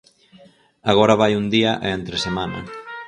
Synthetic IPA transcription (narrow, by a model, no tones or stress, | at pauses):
aɣ̞oɾɐβ̞ajund̪iɐʔeent̪ɾesemanɐ̰